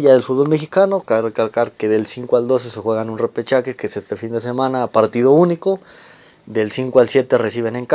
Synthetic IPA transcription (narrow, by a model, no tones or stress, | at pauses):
ʝaðelfuðβo̞lmexikanokaerekalkaɾkeðe̞lsiŋkoald̪o̞s̬esexwe̞ɣanunrepet͡ʃakekesest̪efind̪e̞se̞mãnaːpaɾt̪ið̞o̞uniko | d̪e̞lsiŋkoalsje̞t̪eresiβ̞e̞neŋk